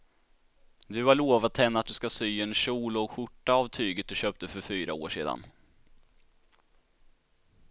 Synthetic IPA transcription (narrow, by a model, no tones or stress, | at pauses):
d̪ɵaɭoːvat̪ʰɛnːat̪̚d̪ɵskasyːɛnɕuːlɔɧʊʈːaavt̪ʰyːɡət̪̚d̪ɵɕøːp̚t̪əfœɾfyːɾa̰o̰ːʂḛːd̪a̰n